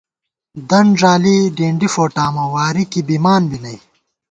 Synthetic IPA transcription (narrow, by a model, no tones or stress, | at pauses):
d̪ɐɳʐaːliɖiːɳɖifoːʈaːmɐwaːɾikibimaːnbinɐj